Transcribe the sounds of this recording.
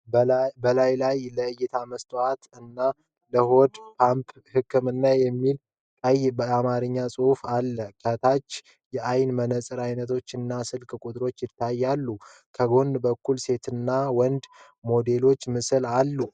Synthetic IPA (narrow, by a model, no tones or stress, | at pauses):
bbəlajlajləɨjɛt̪ʰaməst̪ʰʼoat̪ɨnːa | ləho̞d̪pʰamp | hɨkʰːɨmɨnːajɛmːil | kʼəjbəamaɾɨɲːasʼɨhufalːəkʰət̪ʰat͡ʃː | jɛʔajnmənəsʼɨɾajnət̪ʰo̞t͡ʃːɨnːasɨlkʼkʼut̪ʼɾo̞t͡ʃːjɪt̪ʰːajːalːukʰəɡo̞nbəkːulse̞t̪ʰɨnːawɔnd̪ | mo̞d̪e̞lo̞t͡ʃːmɨsɨlalːu